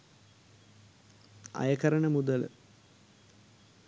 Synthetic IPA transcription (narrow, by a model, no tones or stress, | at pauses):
ɐ̰jɐkɐɾəɳəmud̪ələ̰